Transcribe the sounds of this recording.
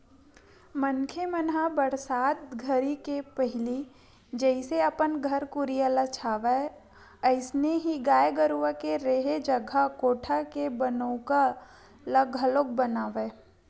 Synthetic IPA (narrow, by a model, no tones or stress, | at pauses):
mənkʰemənɦabəɾsaːt̪ɡʱəɾikepəɦɪli | d͡ʒɛɪseɐpənɡʱəɾkʊɾijalat͡ʃʰaːʋe | əɪsneɦiɡaːjɡəɾuʋəkeɾeːɦed͡ʒəɡʱakoːʈʰakebənõka | ləɡəloɡ̚bənaːʋe